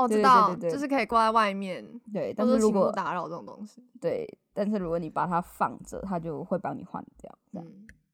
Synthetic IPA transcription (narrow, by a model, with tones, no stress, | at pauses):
ɔ˨˩˥ɻt̪ɑ˥˨˥ʊ˧˥t͡ɕ̪wo˥˧ʊʂɻ̩˥˩kʰə˧˥i˨˩kwa˥˧a˥˧ɪwa˥˧ɪmjɛ˥˨nt̪we˥˩ɪt̪a˥˧nʂ̩˥˨ɻu˦˥kwɔ˨t̪a˨˧˥ɻʊʈ͡ʂə˥˩o˨˩t̪o̰˥ŋɕi˦t̪we˥˩ɪt̪a˥˧nʂ̬ɻ̩˥˩˨ɻu˧˥kwɔ˧˩ni˨˩pa˨˩t̪ʰa˦˥fɑ̰˥˨˩ŋʈ͡ʂə̰˨˩t̪ʰa˥t͡ɕjo˥˧ʊxwe˥˩ɪpɑ˥ŋnḭ˨˩xwa̰˨˩nt̪jj̰ʊ˦˧ɑ˥˩ŋ